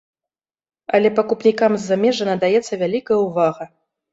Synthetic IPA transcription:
ɐlʲɛpɐkupnʲikamzʲːamʲɛʐɐnɐd̪ajɛt̪sːɐvʲalʲikɐjɐwvaɣɐ

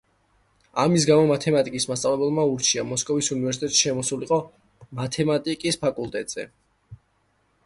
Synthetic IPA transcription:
amis̬ɡamɔmat̪ʰɛmat̪ʼikʼismast̪sʼavlɛbɛlˠmauɾt͡ʃʰiamɔskʼɔvisunivɛɾs̬it̪ɛt̪ʼʃʃɛmɔsuliqʼɔ | mat̪ʰɛmat̪ʼikʼispʰakʼulˠt̪ʼɛt̪ʼz̥ɛ̰

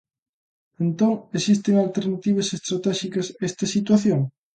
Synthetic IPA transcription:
ent̪oŋesist̪eŋalt̪eɾnat̪iβ̞ɐsest̪ɾat̪ɛʃikɐsɛst̪ɐsit̪waθjoŋ

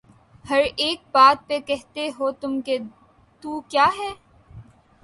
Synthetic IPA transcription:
hɐɾeːk̚baːt̪̚pekɛɦt̪eɦoːt̪ʊmke | t̪uːkjaːɦɛː

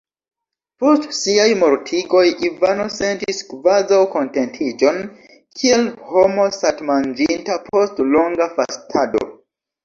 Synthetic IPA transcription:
po̞stsiajmoɾtʰiɡo̞jʔivano̞se̞ntiskvazawko̞ntentʰid͡ʒo̞n | kʰielho̞mo̞satmand͡ʒintapʰo̞stloŋɡafastʰado̰

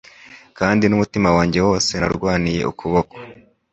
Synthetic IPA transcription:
kaːndinumutimawaːɲɟe̞wo̞ːse̞na̰ɾɡwaːnije̞̰ʔṵkʰuβoko̥

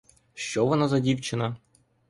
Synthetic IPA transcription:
ʃt͡ʃɔʋɔnazɐdʲiwt͡ʃɪnɐ

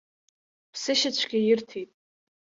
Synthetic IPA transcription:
pʰsɨʃat͡ɕʷʰɡʲɪjɪrtʰitʼ

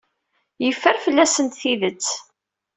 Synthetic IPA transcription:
jəfːəɾfəlːæsənt̪θiðət͡sː

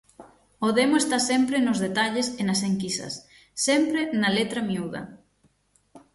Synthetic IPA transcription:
oðemoest̪asempɾenozðet̪aʎesenɐseŋkisɐ̰sː | empɾenɐlet̪ɾɐmiuð̞ɐ̰

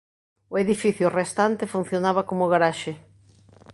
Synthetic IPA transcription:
ʊeðifiθjʊrest̪ant̪ɪfun̟θjonaβakomʊɣaɾaʃe

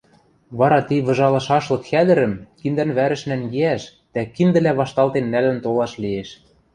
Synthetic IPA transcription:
βɑɾɑt̪iβɤ̆ʒɑlɤ̆ʃɑʃlɤ̆kxæd̪ɘ̆ɾɘ̆mkind̪ænβæɾɘ̆ʃnæŋɡeæʃ | d̪̥ækind̪ɘ̆læβɑʃt̪ɑlt̪enːælɘ̆nt̪olɑʃlieʃ

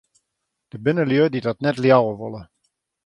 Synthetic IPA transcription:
d̥əbɪnəljødidɔtnɛtljawəʋolˠə

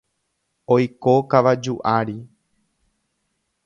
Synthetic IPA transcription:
ojkokaʋad͡ʒuʔaɾi

